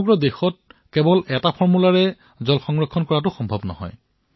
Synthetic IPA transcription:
ɡɹɔdexɔt̚kɛbɔlʔɛtapʰɔɹmulaɹɛ | zɔlxɔŋɹɔkʰːɔnkɔɹatʊxɔmbʱɔbnɔ̰hɔ̰j

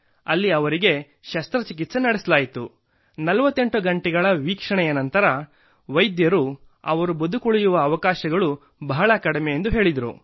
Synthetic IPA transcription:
ɐlːiɐʋɐɾiɡe̞ | ʃɐst̪ɾɐt͡ʃikit̪senɐɽesɐlaːjit̪u | nɐlɐʋɐt̪ːe̞ɳʈuɡɐɳʈɛɡɐɭɐʋiːkʂɐɳɛjɐnɐnt̪ɐɾɐ | ʋɐjd̪jɐɾu | ɐ̰ʋɐɾubɐd̪ʱukuɭijuʋɐːʋɐkaːʃɐɡɐɭu | bɐɦɐɭɐkɐɽmeend̪uɦe̞ːɭid̪ɐɾṵ

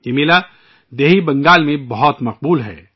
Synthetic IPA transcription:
jemɪla | d̪eːɦibɐ̃ŋɡaːlmẽbɐɦɔt̪mɐq̚buːlɦɛ̰ː

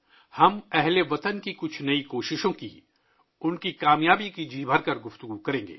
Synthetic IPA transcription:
hɐmɛɦleʋɐt̪ənkikʊt͡ʃʰnɐikoːʃɪʃõkḭ | ʊnkikaːmjaːbikid͡ʒʱiːbʱɐɾkɐɾɡʊft̪ʊɡukɐɾẽːŋɡḛː

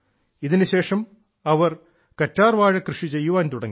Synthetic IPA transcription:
iðinɨɕe̞ːʂɐm | ɐʋɐr | kɐtːaːrʋaːɻɐkrɨʂit͡ɕe̞jːuʋaːnt̪uɽɐŋːi

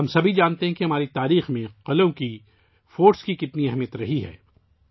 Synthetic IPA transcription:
ɦɐmsɐbʱid͡ʒaːnt̪eɦɛ̃kiɦɐmaːɾit̪aːɾiːxmẽqɐlõki | foːʈskikɪt̪niɐɦmijət̪ɾɐɦiɦɛ̰ː

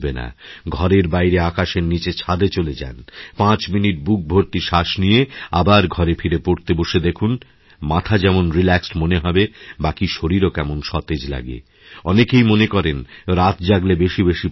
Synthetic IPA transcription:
bena̰ɡʱɔɾeɾbajɾeakaʃeɾnit͡ɕet͡ɕʰad̪et͡ɕoled͡ʑa̰npãt͡ɕminiʈ̚buk̚bʱoɾt̪iʃaʃnijea̰baɾɡʱɔɾefʰiɾepoɾt̪eboʃed̪ekʰun | mat̪ʰad͡ʑɛmonɾilɛksʈmoneɦɔbebakiʃoɾiɾokɛmonʃɔt̪ed͡ʑla̰ɡḛ | ɔnekejmonekɔɾenɾat̪d͡ʑaɡlebeʃibeʃi

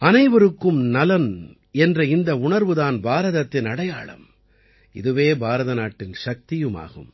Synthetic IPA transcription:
ɐnɐɪʋɐɾɯkːɯmnɐlɐn | ɛndrɐɪnd̪ɐʊɳɐɾʋɯðaːnbaːɾɐðɐt̪ːɪnɐɽɐjaːɭɐ̰m | ɪ̰ðɯʋeːbʱaːɾɐðɐnaːʈːɪnʂɐk̚t̪ɪjɯma̰ːɣɯ̰m

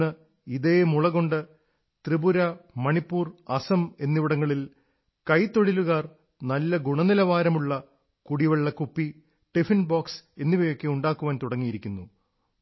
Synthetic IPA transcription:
ɨ | iðeːmuɭɐɣo̞ɳɖɨ | t̪ribuɾɐmɐɳipːuːrɐsɐme̞nːiʋiɽɐŋːɐɭil | kɐjt̪ːo̞ɻiluɣaːr | nɐlːɐɡuɳɐnilɐʋaːɾɐmuɭːɐ | kuɽiʋɐɭːɐkupːi | ʈifinbaːkse̞nːiʋɐjo̞kːe̞uɳɖaːkːuʋaːnt̪uɽɐŋːijiɾikʲːunːu

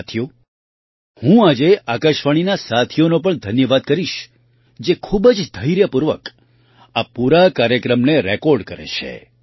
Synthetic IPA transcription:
t̪ʰijo | hũad͡ʒeʔakəʃʋaɽ̃inasat̪ʰijonopəɳd̪ʱənjəʋad̪̚kəɾiʃ | d͡ʒekʰubəd͡ʒd̪ʱəjɾjəpuɾʋək | apuɾakaɾjəkɾəmneɾekɔɾɖkəɾḛʃʰḛ

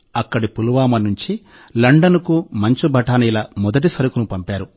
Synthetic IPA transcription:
ɐkːɐɽipuluʋaːmɐnuɲt͡ʃi | lɐɳɖɐnukumɐɲt͡ʃubʱɐʈaːnɐjlɐmɔd̪ɐʈ̬isɐɾukunupɐmpaːɾu

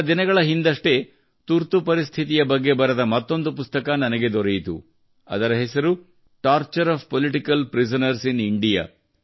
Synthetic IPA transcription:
d̪inɐɡɐɭɐɦind̪ɐʂʈe̞ | t̪uɾt̪upɐɾist̪ʰit̪ijɐbɐɡːe̞bɐɾɐd̪ɐmɐt̪ːo̞nd̪upust̪ɐkɐnɐnɐɡe̞d̪ɔɾejit̪ṵ | ɐ̰d̪ɐɾɐɦesɐɾu | ʈaːɾt͡ʃɐɾaːbpoliʈikɐlpɾisɐnɐɾsiniɳɖija̰

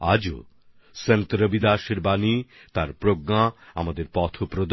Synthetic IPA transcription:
a̰d͡ʑo̰ | sent̪ɾəbid̪aʃeɾbani | t̪aɾpɾoɡŋaamad̪eɾpɔt̪ʰopɾod̪

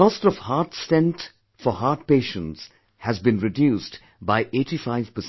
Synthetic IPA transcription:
kɔstɔv̥haɾʈstɛ̃nt | fɔɦaːʈ̚peːʃə̃ns | hæzbĩnɹɪdjuːst | baɪʔeːʈifaɪv̥pəs

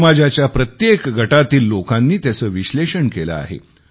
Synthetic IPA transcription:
mad͡ʑat͡ɕjapɾət̪jekɡʱəʈat̪iːlːokanːiːt̪jasəːʋiɕleɕəɳkelə̰a̰ɦḛ

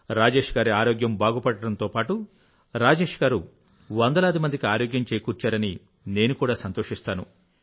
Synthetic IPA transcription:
ɾaːd͡ʒe̞ːʂɡaːɾiaːɾoːɡjɐmbaːɡupɐɽːɐɽɐnt̪o̞ːpaːʈu | ɾaːd͡ʒeːʂɡaːɾu | ʋɐnd̪ɐlaːd̪imɐnd̪ikiaːɾo̞ːɡjɐɲt͡ʃejkuːɾt͡ʃaːɾɐni | ne̞ːnukuːɽaːsɐnt̪o̞ːʂist̪aːnṵ

